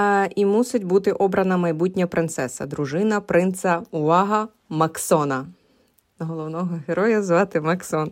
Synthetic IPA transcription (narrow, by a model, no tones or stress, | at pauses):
imusɪtʲbut̪ɪʔɔbɾɐnɐmɐjbutʲnʲɐpɾɪnt̪sɛsɐ̰d̪ɾʊʒɪnɐpɾɪnt̪sɐʊʋɑɦɐ | mɐksɔnɐ | nɐɦɔlˠɔwnɔɦɔɦeɾɔjɐzʋɑt̪ɪmɐksɔn